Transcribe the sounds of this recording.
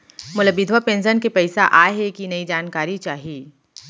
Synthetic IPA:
mʊləbɪd̪ʱʋapẽːnsənkepɐɪsaʔaːɦekinɐid͡ʒaːnkaːɾit͡ʃaːɦieː

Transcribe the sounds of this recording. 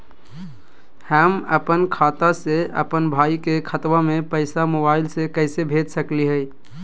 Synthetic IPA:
həməpənkʰat̪aseə̰pənbʱaikekʰət̪wamepəɪsamobaɪlsekəɪsebʱet̪səkliɦəɪ

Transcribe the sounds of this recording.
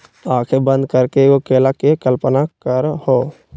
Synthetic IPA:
aːkʰebə̃nd̪̚kəɾkeokeːlakekəlpənakəɾhoː

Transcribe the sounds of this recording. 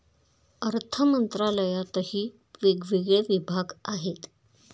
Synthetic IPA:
əɾt̪ʰəmənt̪ɾaləjat̪əɦiː | ʋeɡʋiɡɭeʋibʱaɡaɦet̪

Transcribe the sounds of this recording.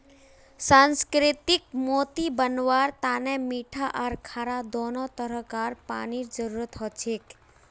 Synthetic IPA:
sãːnskɾɪt̪ik̚moːt̪ibənʋwaːɾt̪aːnɛmiʈʰaʔaɾkʰaːɾad̪oːnɔt̪əɾəkaːɾpa̰ːniɾd͡ʒəɾuɾət̪ɦɔt͡ʃʰek

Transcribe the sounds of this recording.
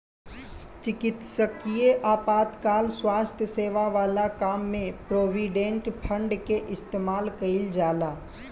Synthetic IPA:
t͡ʃɪkɪt̪səkijeʔaːpaːt̪kaːlswaːst̪ʰjəseːʋaʋaːlakaːmːẽpɾoːʋiːɖẽɳʈpʰə̃ɳɖkeʔɪst̪eːmaːlkɐɪld͡ʒaːlaː

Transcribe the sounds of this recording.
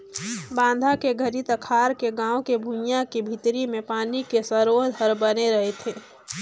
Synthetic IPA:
bãːnd̪ʱakeɡʱəɾit̪ɐkʰaːɾkeɡãːwokebʱũmjakibʱit̪ɾimẽpaːnikesɐɾoːd̪ʱɦəɾbɐneɾɐɦet̪ʰeː

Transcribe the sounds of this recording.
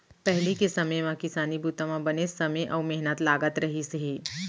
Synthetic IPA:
pɛɦlikesəməjmãkɪsaːnibut̪ãmãbənesəmeʔamɛɦnət̪laːɡət̪ɾəɦisɦe

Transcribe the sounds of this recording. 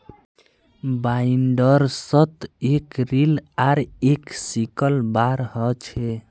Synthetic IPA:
baiɳɖəɾsət̪ekɾilaɾeksikəlbaɾhət͡ʃʰe

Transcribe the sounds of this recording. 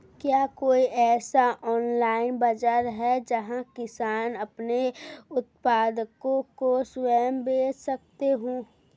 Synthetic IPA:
kjaːkoːiʔɛːsaʔɔːnlaːɪnbɐd͡ʒaɾɦɛd͡ʒɐɦãkɪsaːnɐpneʊt̪paːd̪əkõkoswɛːmbeːd͡ʒsɐk̚t̪eɦũː

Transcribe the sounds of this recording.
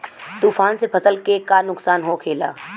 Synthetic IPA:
t̪uːfaːnsepʰɐsəlkekanʊksaːnɦokʰeːla̰ː

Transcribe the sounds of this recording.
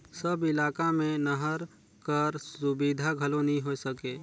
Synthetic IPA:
səbɪlaːkamẽnəɦəɾ | kəɾsʊbid̪ʱaɡʱəlonəɦĩɦosəkeː

